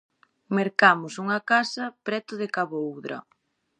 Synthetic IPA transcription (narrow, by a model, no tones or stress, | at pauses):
meɾkamʊsuŋɐkasɐpɾɛt̪ʊðekaβowðɾɐ̰